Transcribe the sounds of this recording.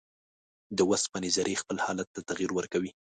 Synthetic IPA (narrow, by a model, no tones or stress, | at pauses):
d̪əwas̚pənɪzaɾʔexpəlhɑlat̪ːat̪aɣiɾwəɾkawi